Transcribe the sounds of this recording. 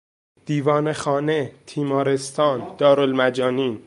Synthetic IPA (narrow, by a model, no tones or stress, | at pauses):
d̪̥iːvɒːnexɒːnet̪ʰiːmɒːɾe̞st̪ʰɒːnd̪̥ɒːɾolmæd͡ʒɒːniːn